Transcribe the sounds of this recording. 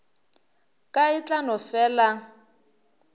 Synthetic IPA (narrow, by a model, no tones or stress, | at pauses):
kʼait͡ɬʼanɔfɛːla